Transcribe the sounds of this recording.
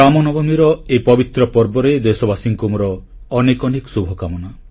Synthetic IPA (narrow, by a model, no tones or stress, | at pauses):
amɔnɔbɔmiɾɔepɔbit̪ɾɔpɔɾbɔɾed̪esɔbasiŋkumɔɾɔː | nekɔnekɔsubʱɔkamɔna